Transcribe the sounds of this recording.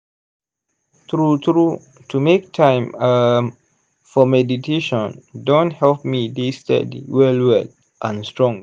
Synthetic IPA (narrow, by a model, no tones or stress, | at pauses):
tɹutɹu | tʰumek̚tʰãɪ̃ma | fɔmɛditʰeʃɔ̃ndõnthɛlpmidistɛ̰dḭwɛlwɛl | ʔãnstɹɔ̃ŋ